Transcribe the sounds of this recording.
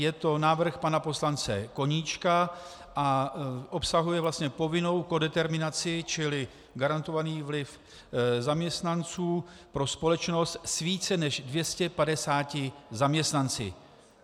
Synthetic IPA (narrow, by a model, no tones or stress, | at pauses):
jɛt̪o̞naːvr̩xpanapo̞slant͡sɛ̰ko̞ɲiːt͡ʃka | ʔaʔo̞psaɦujɛvlast̪ɲɛpo̞vɪno̞wko̞dɛt̪ɛɾmɪnat͡sɪt͡ʃɪlɪ | ɡaɾant̪ovaniːvlɪf | zamɲɛst̪nant͡suːpɾo̞spo̞lɛt͡ʃno̞st̪sviːt͡sɛnɛʒdvjɛscɛpadɛsaːcɪzamɲɛst̪nant͡sɪ̰